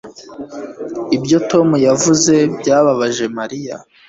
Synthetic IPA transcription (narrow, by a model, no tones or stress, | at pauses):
ibjo̞to̞mujavuze̞bɟaːβaβaʒe̞maɾija̰